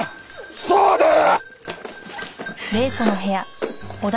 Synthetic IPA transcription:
soːd̪e | ɾe̞ːkono̞ɦe̞jaod̪

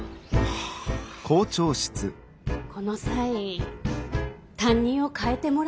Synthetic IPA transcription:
kʰo̞ːt͡ɕo̞ːɕi̥t͡sɨ̰ | kʰo̞no̞sai | t̪ãɲ̟ːĩɰ̃o̞kaet̪e̞mo̞ɾ

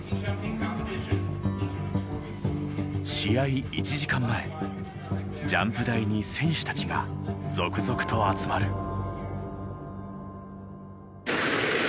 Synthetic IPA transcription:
ɕijaiit͡ɕiʑikãmːae̞ | d͡ʑãmpɯ̟d̪aiɲ̟isẽ̞ɰ̃ɕɨ̥t̪ḁt͡ɕiɡa̰d͡zo̞kɯ̟zo̞kɯ̟̥t̪o̞at͡sɨmaɾɯ̟

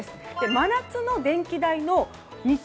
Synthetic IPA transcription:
esɨ̥d̪̥e̞manat͡sɨno̞d̪ẽ̞ŋkʲid̪aino̞ | ɲi

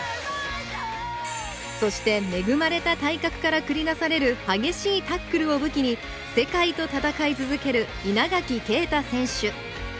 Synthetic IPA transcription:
so̞ɕi̥t̪e̞me̞ɡɯ̟maɾe̞t̪at̪aikakɯ̥kaɾakɯ̟ɾʲinasaɾe̞ɾɯ̟haɡe̞ɕiːt̪akːɯ̟ɾɯ̟o̞bɯ̟kʲiɲ̟i | se̞kait̪o̞t̪at̪akait͡sɨzɨke̞ɾɯ̟ | inaɡakʲike̞ːt̪asẽ̞ɰ̃ɕɨ

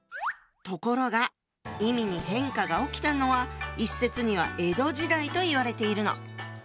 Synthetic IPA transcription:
t̪o̞ko̞ɾo̞ɡa | imʲiɲ̟iɦẽ̞ŋkaɡao̞kʲi̥t̪ano̞βaisːe̞t͡sɨɲ̟iβ̞a̰ʔe̞d̪o̞ʑid̪ait̪o̞iβaɾe̞t̪e̞iɾɯ̟no̞̰

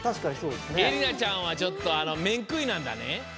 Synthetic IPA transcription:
t̪aʃkaɲisoːd̪eseɾinat͡ʃaõʋad͡ʒɔt̪ːɔanɔmeŋkɯjnand̪a̰nḛ

